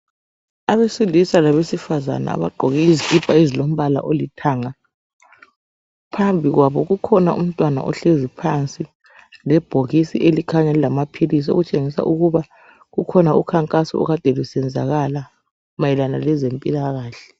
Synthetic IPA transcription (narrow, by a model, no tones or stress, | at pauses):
aβesilisalaβesifaza̰na̰a̰βa̰ǃʱɔɣɛizikʼipʰʼaezilom̩βala̰ʔolitʰaːŋa | pʰambʱiɣwaβɔɣukʰɔnaṵm̩tʼwana̰ʔɔ̰ɬezipʰant͡sʼi | lɛb̥ʱoɣisiʔelikʰaŋɛlɛlamapʰilis̬io̰ɣut͡ʃʼeŋisa̰ʔuɣuβa | ɣukʰɔnaukʰaŋkʼasɔ̰ɔ̰ɣad̥ʱɛlusɛnd͡zʱa̰ɣala | majɛlanalɛzempʼilaɣaːɬɛ̥